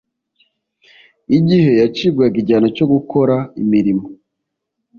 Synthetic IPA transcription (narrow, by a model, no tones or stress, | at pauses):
iɟihe̞jat͡ʃibɡwaɡiɟaːnoco̞ɡukʰo̞ɾaimiɾimo